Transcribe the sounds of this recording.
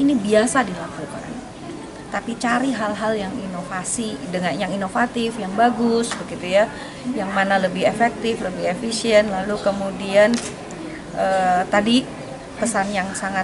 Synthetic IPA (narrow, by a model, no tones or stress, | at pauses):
inibiasadilakuka̰n | t̪apit͡ʃaɾiɦalɦaljaŋinofasidəŋanjaŋinofat̪ɪfjaŋbaɡʊsbəɡit̪uja | jaŋmanaləbɪhefɛk̚t̪ɪfləbɪhefisiɛnt̪lalukəmudian | ʔəːt̪adi | pəsanjaŋsaŋat